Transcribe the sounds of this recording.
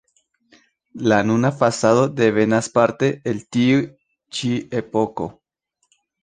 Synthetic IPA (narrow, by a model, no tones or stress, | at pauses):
lanunafasaðo̞d̪e̞ve̞naspaɾte̞eltiu | t͡ʃie̞po̞ko̞̰